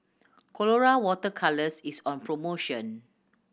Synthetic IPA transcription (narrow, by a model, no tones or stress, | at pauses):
kʰɔloɹawɔtəkʰaləsisɔ̃npʰɹomoʃɔ̃n